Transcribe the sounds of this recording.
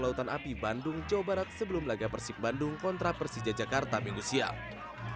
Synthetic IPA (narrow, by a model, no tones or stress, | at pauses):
laut̪anapibandʊŋd͡ʒawabaɾat̪̚səbəlʊmlaɡapərsɪk̚bandʊŋkɔnt̪ɾapərsid͡ʒad͡ʒakart̪amanusia̰